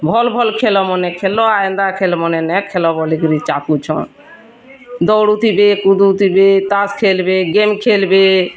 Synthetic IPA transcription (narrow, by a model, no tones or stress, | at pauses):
bʱɔlbʱɔlkʰelɔmɔnekʰelɔajend̪akʰelmɔnenɛkʰːelɔbɔlikɾit͡ʃapkut͡ʃʰɔ̰ | d̪ɔwɽut̪ʰibekud̪uut̪ʰibet̪askʰelbeɡemkʰelbe